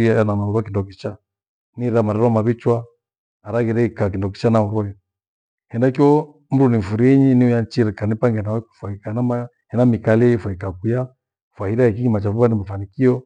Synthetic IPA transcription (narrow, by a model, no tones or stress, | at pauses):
iaananauɾwakindɔk̬it͡ʃa | niɾamaɾɛɾɔamaβit͡ʃwaː | ɾaɣiɾɛikak̬indɔk̬i̥t͡ʃanauɾɔja | hɛndakiɔ | m̩ɾuniɱ̩fuɾiɛɲiniujant͡ʃiɾɛkanipaŋɡɛnaɔku̥faikanama | hɛnamikalɛifwaikakuja | fwahiɾaɛkiɡimat͡ʃafuβanimafanikiɔ